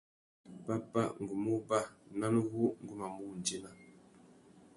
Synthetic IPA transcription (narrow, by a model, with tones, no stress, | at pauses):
pa˦pa̰˦ŋ̩˨ɡu˨mu˦ba˦˨na˦n˦ɣu˦ŋ̩˦ɡu˦ma˨mu˦˨n˨d͡ʒi˦na˨